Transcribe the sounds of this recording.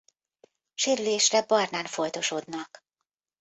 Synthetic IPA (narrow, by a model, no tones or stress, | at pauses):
ʃeːɾyleːʃrɛbɒrnaːnfo̞jt̪o̞ʃod̪nɒk